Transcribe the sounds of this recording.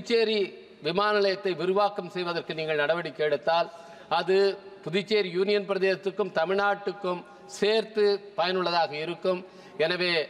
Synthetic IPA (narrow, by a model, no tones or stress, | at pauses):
ɪt͡ʃːeːɾi | ʋɪmaːnɐlɐjɐt̪ːɐɪʋɪɾɯʋaːkɐmsɛjʋɐðɐrkɯniːŋɡɐɭnɐɽɐʋɐɽikːeːɽɯt̪ːaːl | ɐðɯpʊðɪt͡ʃːeːɾijuːnɪjɐnpɪɾɐðeːsɐt̪ːɯkːɯmt̪ɐmɪɻnaːʈːɯkːɯm | seːɾt̪ɯpɐjɐnɯɭːɐðaːɣɐɪɾɯkːɯm | ɛnɐʋeː